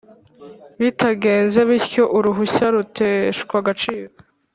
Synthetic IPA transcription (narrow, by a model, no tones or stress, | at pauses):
βitʰaɡe̞ːnzeβiɾco̞ʔuɾuɦuɕaɾutʰeʃkwaɡat͡ʃiːɾo